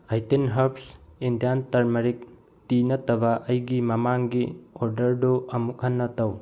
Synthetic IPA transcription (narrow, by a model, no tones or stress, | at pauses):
ajtenɦɐɾpsindijantɐɾmɐɾik̚ | tinɐtɐbaʔɐjɡimɐmaŋɡiɔɾdɐɾduɐmuk̚ɦɐnːɐtaw